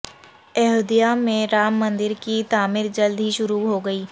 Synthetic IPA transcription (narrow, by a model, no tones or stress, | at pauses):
ɛɦoːd̪ijamẽɾaːmːɐ̃nd̪ɪɾkit̪aːmɪɾd͡ʒɐld̪ʱɦiʃʊɾuɦoɡɐiː